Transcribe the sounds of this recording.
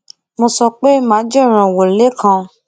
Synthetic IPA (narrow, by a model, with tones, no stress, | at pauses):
mo˧sɔ˧k͡pe˦mãː˨˦d͡ʒe˦˨ɾ̃ã˨wo˨le˨˦kʰã˧